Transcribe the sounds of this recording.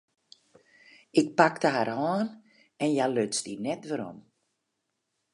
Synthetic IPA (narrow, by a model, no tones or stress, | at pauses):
ɪk̚paktəɦarhaːn | ɛnjaløtt͡stinɛtʋəɾɔ̰m